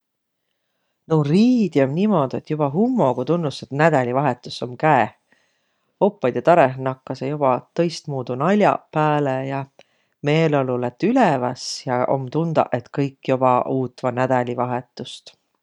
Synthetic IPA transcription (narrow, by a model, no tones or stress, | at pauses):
nowriːd̪̥iomnimo̞d̪̥e̞t̪ːˑjub̥ɑɦumːo̞ɡ̥ot̪unːuset̪næd̪̥ɑlʲivɑɦe̞t̪ːˑusːo̞mkæeh | ho̞pːˑɑjd̪̥et̪ɑɾeɦnɑkːˑɑsejob̥ɑt̪ɤ̞jst̪muːd̪̥unɑlʲjɑ̰pæːlejɑ | me̞ːlo̞lulet̪ːˑylevɑsjɑo̞̰mt̪und̪̥ɑ̰ʔet̪kɤjkːjob̥ɑʔuːt̪ːˑvɑnæd̪̥ɑlʲivɑɦe̞t̪ːˑust̪